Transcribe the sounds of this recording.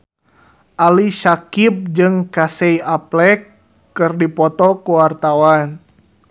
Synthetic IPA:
ʔaliʃakip̚d͡ʒɨŋkasɛiaplɛkː | ɨrdipɔt̪ɔkuwart̪awan

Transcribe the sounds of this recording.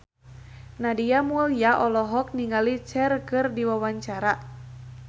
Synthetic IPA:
nadijamulijaʔɔlɔɦɔk̚niŋalit͡ʃɛrkɨrdiwawaɲt͡ʃaɾa

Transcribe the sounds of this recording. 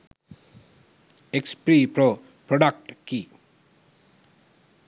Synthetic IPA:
ekspɾipɾo | pɾɔɖak̚ʈki

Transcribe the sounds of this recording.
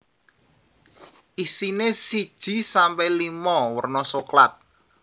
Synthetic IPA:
ʔisinesid̥ʒ̥i̤sampɛjlimɔwərnɔsoklat̪̚

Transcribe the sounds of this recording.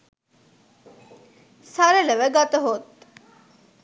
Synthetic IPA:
saɾələʋəɡat̪əɦot̪

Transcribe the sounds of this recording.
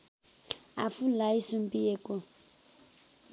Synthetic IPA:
a̰fulaisumpʼijekʼɔ

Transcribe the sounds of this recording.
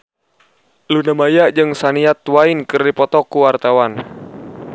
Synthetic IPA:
lunamajaʔd͡ʒɨŋsaniat̪wainkɨrdipɔt̪ɔkuwart̪awan

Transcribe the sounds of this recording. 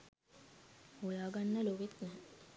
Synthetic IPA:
hulaːɡanːəloʋet̪nɛ

